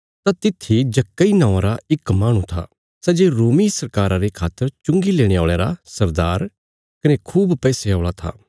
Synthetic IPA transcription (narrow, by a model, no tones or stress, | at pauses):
t̪at̪ɪt̪ʰːid͡ʒɐkːainãːãɾaɪkmaːɽ̃ũt̪ʰa̰ː | sɛːd͡ʒeɾoːmisɐɾkaːɾaɾekʰaːt̪ːəɾt͡ʃʊ̃ŋɡileːɽ̃eaːɭeːɾasɐɾd̪aːɾ | kɐnekʰuːbpɛːseaːɭat̪ʰa̰ː